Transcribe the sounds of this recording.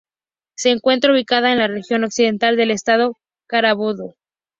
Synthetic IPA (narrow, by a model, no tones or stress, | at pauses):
se̞ːŋkwe̞nt̪̬ɾauβikað̞ae̞nlare̞xjo̞no̞ksiðe̞nt̪ald̪e̞le̞st̪að̞o̞ | kaɾaβoðo